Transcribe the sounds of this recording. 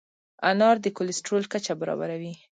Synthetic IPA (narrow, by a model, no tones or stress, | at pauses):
anɑɾd̪əkolɪsʈɾolkat͡ʃabaɾɑ̰ba̰ɾawi